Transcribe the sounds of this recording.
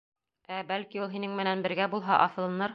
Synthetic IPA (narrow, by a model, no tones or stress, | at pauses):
æbælkiulˠɦinɘŋmɘ̆nænbɘ̆ɾɡæbulˠɦɑʔɒfɤ̆lˠɤ̆nɤɾ